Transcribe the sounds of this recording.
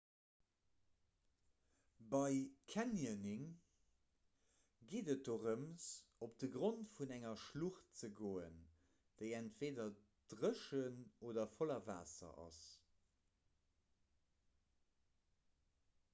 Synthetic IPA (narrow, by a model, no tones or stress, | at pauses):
bɑɪkʰænjəniŋ | ɡeːdət̚d̥oːʁəmsop̚d̥əɡʁontfunæŋɐʃluχt̚t͡səɡoːən | d̥əɪæntv̥eːdɐ | d̥ʁəʃənoːdɐfolɐva̰ːsɐ̰ʔɑ̰s